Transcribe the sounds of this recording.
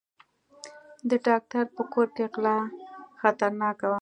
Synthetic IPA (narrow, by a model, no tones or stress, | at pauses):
d̪əɖɑk̚t̪aɾpəkoɾkeqlɑxat̪aɾnɑkawa